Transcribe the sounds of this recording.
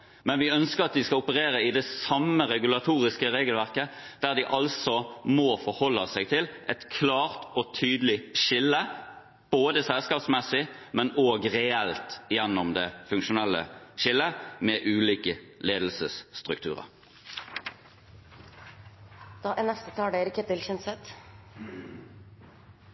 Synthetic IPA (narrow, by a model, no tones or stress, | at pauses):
mɛnʋɪœnskəʁɑt̪̚d̪ɪskɑʊpəʁeːʁəɪd̪ɛsɑməʁɛɡʉlɑt̪ʰuːʁɪskəʁeːɡəlʋæʁkə | d̪̥æʁd̪ɪʔɑlsɔmoːfɔʁhɔlːəsɛɪɡt̪ʰɪlɛt̪kʰlɑːʁt̪ɔt̪ʰyːd̪əlɪʃɪlːə | b̥oːd̪əsɛlskɑːpsmɛsɪmɛnoːɡʁɛɛlt̪jɛnːɔmd̪ɛfʉŋkʃʊnɛlːə̰ʃɪlːəmɛːʔʉːliːkəleːd̪l̩səsːt̪ʁʉkt̪ʰʉ̰ːʁə̰ʁ | d̪̥ɑːʔɛnɛst̪ət̪ʰɑːɖeɾəkʰɛt̪ɪlçɛnsɛt̪